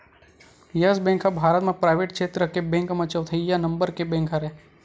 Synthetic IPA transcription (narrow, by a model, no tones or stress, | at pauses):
jɐsbẽːŋkɦɐbʱaːɾət̪mẽpɾaːɪʋeːʈ̚kʃeːt̪ɾəkebẽːŋkmɐ̃t͡ʃəʋt̪ʰəjanɐ̃mbəɾkebẽːŋkʰɦaɾɛ